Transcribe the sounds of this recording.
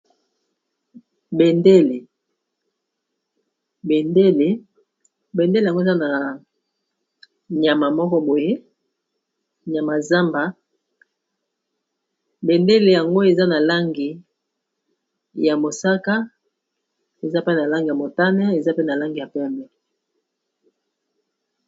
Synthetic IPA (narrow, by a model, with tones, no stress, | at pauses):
be˨nde˦le˨ | be˨nde˦le˨ | be˨nde˦le˨a˨ŋɡo˦˨za˦na˨ | ɲa˨ma˨mɔ˦kɔ˦bo˨je˦ | ɲa˨ma˨za˦mba˨ | be˨nde˦le˨ja˨ŋɡo˦e˨za˦na˨la˦ŋɡi˨ | ja˨mo˨sa˦ka˦ | e˨za˦pe˦na˨la˦ŋɡi˨ja˨mo˨ta˦nɛ˦e˨za˦pe˦na˨la˦ŋɡi˨ja˨pɛ˦˨mɛ˨